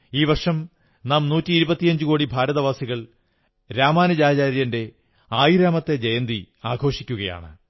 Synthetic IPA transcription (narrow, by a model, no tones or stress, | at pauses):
iːʋɐrʂɐm | naːmnuːtːiːɾubɐt̪ːijɐɲd͡ʑukoːɽibʱaːɾɐðɐʋaːsiɣɐɭ | ɾaːmaːnɐd͡ʑaːd͡ʑaːɾjɐnde̞ | aːjiɾaːmɐt̪ːe̞d͡ʑejɐnd̪i | aːɡʱo̞ːʂikʲːuɣɐja̰ːɳɨ̰